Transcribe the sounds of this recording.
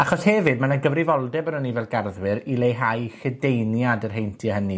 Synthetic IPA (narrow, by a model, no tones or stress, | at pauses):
aχɔshɛvɨd̚manaɡəvrɪvɔlˠdɛbənənivɛlˠɡarðwɪɾilejɦajχədejnjadərɦejntʰiəhəni